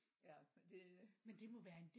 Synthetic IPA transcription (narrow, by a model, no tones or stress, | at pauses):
æd̥e̝mend̥e̝mɒ̽ʋæːɐe̝nd̥e